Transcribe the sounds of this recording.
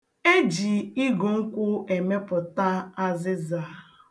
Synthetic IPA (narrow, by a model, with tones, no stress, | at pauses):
e˦d͡ʒi˨ɪ˦ɡo˨ŋ̩˦kʷʊ˦e˨me˦pʊ˨ta˦a˦zɪ˦za˨